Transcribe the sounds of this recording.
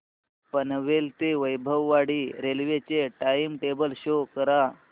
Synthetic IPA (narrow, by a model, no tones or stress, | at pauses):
pənʋelt̪eʋəjbʱəʋːaɽiːɾelʋet͡ɕeʈaimʈebəlɕokəɾa